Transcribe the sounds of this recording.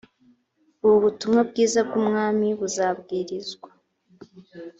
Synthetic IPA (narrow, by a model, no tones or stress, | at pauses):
uβuβutumŋabɡiːzab̚ɡumŋaːmiβuzabɡiːɾizɡwa